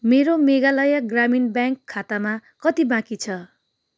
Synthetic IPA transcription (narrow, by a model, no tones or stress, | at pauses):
meɾomeɡalʌjaɡraminbjãŋkʰːat̪amakʌt̪ibãkit͡sʰʌ